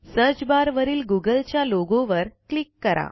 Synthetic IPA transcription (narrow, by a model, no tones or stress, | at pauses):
səɾt͡ɕbaɾʋəɾiːlɡuɡəlt͡ɕjaloɡõʋəɾklikːəɾʔa̰